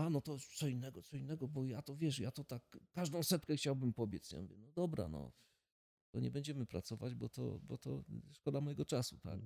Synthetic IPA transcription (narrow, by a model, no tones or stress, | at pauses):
anɔt̪ɔt̪sɔinːɛɡɔt̪sɔinːɛɡɔbɔjat̪ɔvʲjɛʂjat̪ɔt̪akːaʐd̪ɔ̃w̃sɛt̪kɛxt͡ɕawbɘmpɔbʲjɛt̪sɲɔ̰mvʲɛnɔd̪ɔbɾa̰nɔ̰ | t̪ɔɲɛbɛɲd͡ʑɛmɘpɾat̪sɔvad͡ʑbɔt̪ɔ̰bɔt̪ɔ̰ʂkɔd̪amɔjɛɡɔt͡ʂasut̪a̰k